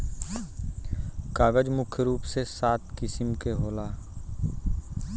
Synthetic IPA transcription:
kaːɡəd͡ʒmʊkʰːjəɾuːpsesaːt̪kɪsɪmkeɦoːlaː

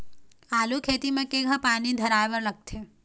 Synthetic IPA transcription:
aːlukʰeːt̪imẽkeɡʱãpaːnid̪ʱəɾaːjʋəɾləɡ̚t̪ʰe

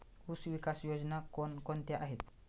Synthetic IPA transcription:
usʋikasjod͡znakonkont̪jaʔaɦet̪

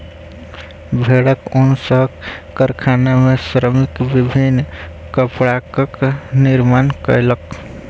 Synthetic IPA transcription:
bʱeɽəkonsəɦkkəɾkʰanamesɾəmikbibʱin | kəpɽakəkniɾmankə̰lək

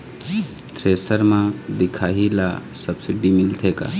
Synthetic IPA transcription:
t̪ɾesəɾmãd̪ikʰaɦila̰səbsiɖimilt̪ʰeka̰

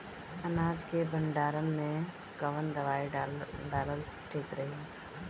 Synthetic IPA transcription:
ɐnaːd͡ʒkebə̃ɳɖaːɾənmẽ | ɡəʋənd̪ɐʋaːiɖaːləl | ʈʰeːkɾɐɦi

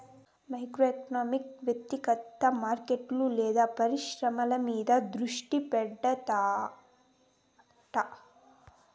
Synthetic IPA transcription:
mɐjkɾoːeknaːmikʋjɐk̚t̪ikɐt̪ːɐmaːɾkeʈluleːd̪ɐpɐɾiʃɾɐmɐlɐmiːd̪ɐd̪ɾuʂʈipɛɖːɐt̪aː | ʈɐ

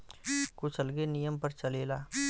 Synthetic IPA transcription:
kʊt͡ʃʰəlɡenijəmpəɾt͡ʃəleːlaː

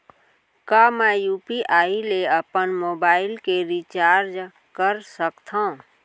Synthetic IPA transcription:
kaːmɛ̃ːjuːpiʔaːileəpənmoːbaːɪlkeɾit͡ʃaːɾd͡ʒ | kəɾsəkt̪ʰã

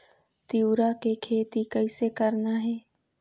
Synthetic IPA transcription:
t̪iuɾakekʰeːt̪ikɐɪsekɐɾnaɦɛː

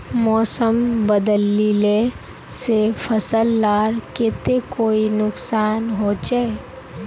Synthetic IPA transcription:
mɔːsəmbəd̪əlːile | sepʰəsəlːaːɾket̪ekoːinʊksaːnɦoːt͡ʃae

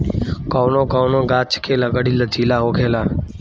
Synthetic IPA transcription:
koːnõːkoːnõːɡaːt͡ʃkʰeːləɡəɽiːləd͡ʒiːlaːɦoːkʰeːlaː

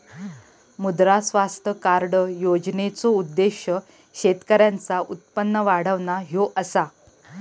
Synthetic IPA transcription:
mud̪ɾasʋast̪əkaɾɖəjod͡znet͡soud̪ːeɕjə | ɕet̪kəɾjãnt͡saʔut̪̚pənːəʋaɽ̤əʋnaɦjoʔəsa

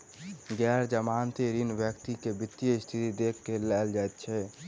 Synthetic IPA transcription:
ɡɛːɾd͡ʒəmaːnt̪eɾinʋjəkt̪ikebɪt̪ːjəɪst̪ʰit̪id̪ekʰkelɛːld͡ʒaɛt̪̚t͡ʃʰɛ

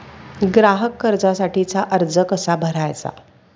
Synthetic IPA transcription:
ɡɾaɦəkːəɾd͡zasaʈiːt͡saʔəɾd͡zəkəsabʱəɾajt͡sa̰

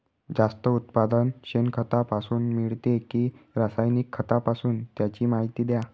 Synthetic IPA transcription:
d͡zast̪əut̪pad̪ənɕenkʰət̪apasuːnmiɭt̪ekiːɾasajnikʰːət̪apasuːnt̪jat͡ɕiːmaɦit̪iːd̪ja

